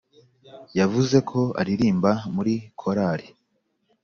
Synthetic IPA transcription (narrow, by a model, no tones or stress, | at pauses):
javuze̞kʰo̞a̰ɾiɾiːmbamuɾikʰo̞ɾaːɾi